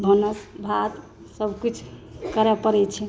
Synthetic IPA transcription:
bʱənəsbʱat̪ | səbkit͡ʃʰkəɾɛpəɾɛt͡ʃʰɛ

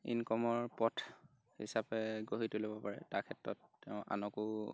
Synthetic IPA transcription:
ḭnkɔmɔɹpɔtʰ | hḭsapɛɡoɦitulobɔpaɹɛ̰takʰɛtɹɔ̰tːɛʊ̃ʔa̰nɔku

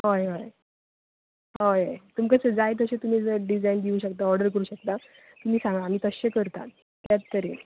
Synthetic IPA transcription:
ɦojɦoj | ɦojet̪umkəsəd͡zajt̪əɕet̪um̤iːd͡zəɖid͡zajnd̪iũːɕəkt̪aɔɾɖəɾkəɾuːɕək̚t̪a | t̪um̤iːsãŋɡaːm̤iːt̪əɕekəɾt̪a̰ | t̪jat͡st̪əɾḛ

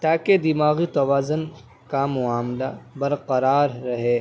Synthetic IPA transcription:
t̪aːked̪ɪmaːɣit̪ɐwaːzʊn | kamʊaːmlabɐɾqɐɾaːɾːɐɦeː

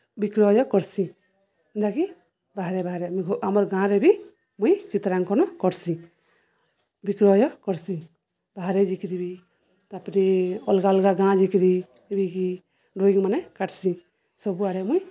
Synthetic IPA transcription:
bikɾɔjɔkɔɾsi | nd̪aki | baɦaɾɛbaɦɾɛmamɔɾɡãɾɛbi | mujt͡ʃit̪ɾaŋkɔnɔkɔɾsĩ | bikɾɔjɔkɔɾsi | baɦaɾɛd͡ʒikɾibi | t̪apniɔlɡalɡaɡãd͡ʒikɾi | biki | ɖoiŋmanɛkaʈsi | sɔbuaɽɛmuj

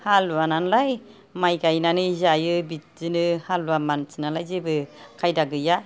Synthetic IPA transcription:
haluananlaj | majɡajnanɯizajɯbit̚zɯnɯhaluamansɯnalajzebɯkʰajdaɡɯja

